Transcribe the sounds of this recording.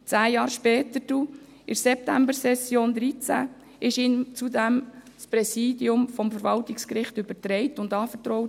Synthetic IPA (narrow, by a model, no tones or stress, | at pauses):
t͡sæːjɑːɾʃpɛːtəɾd̥u | ɪɾsɛp̚tæmbəsɛsjoːnd̪ɾit͡sæ̰ | ɪʃiːnt͡sudɛm | spɾɛsiːdiʊmfɔmfəɾʋɑltɪkskɾɪχtʏbəɾtɾɛɪtʊndɑːfəɾtɾɔʊt